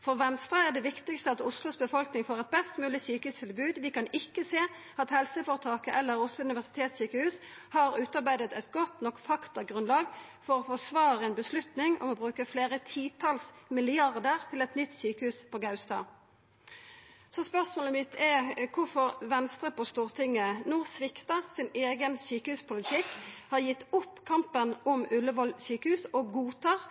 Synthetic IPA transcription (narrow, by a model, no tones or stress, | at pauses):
fɔʁʋɛnst̪ɾəæʁd̪ɛʋɪkt̪ɪkst̪əɑt̪ʊslʊsbəfɔlknɪŋfoːʁɛt̪̚bɛst̪mʉːlɪsyːkəhʉːst̪ʰɪlbʉːd̪ʋɪkɑnɪkːəseː | ɑt̪hɛlsəfɔʁt̪ʰɑːkəʔɛlːəɾʊslʊʉnɪʋæʁsɪ̥t̪ʰeːt̪ssyːkəhʉːshɑʁʉːt̪ɑʁbæɪd̪ət̪ɛt̪ɡɔt̪nɔkːfɑkt̪ɑɡʁʉnlɑːɡfɔɾɔfɔsʋɑːʁəɛnbəslʉt̪nɪŋɔ̰mɔbʁʉːkəfleːʁət̪ʰiːt̪ʰɑlsmɪlɪɑʁd̪əʁt̪ʰɪlɛt̪nʏt̪ːsyːkəhʉːspʰɔɡɑʉst̪ɑ̰ː | sɔspœʁsmoːləmɪt̪ʰɛkʰʊfɔʁʋɛnst̪ʁəpʰɔst̪uːʁt̪ʰɪŋːənʊʁsʋɪkt̪ɑsɪneːɡənsyːkəhʉːspʰʊlɪt̪ʰɪkhɑʁjɪt̪ːʊpːkʰɑmpənɔmʉlːəʋɔlsyːkəhʉːsɔɡuːt̪ʰɑːʁ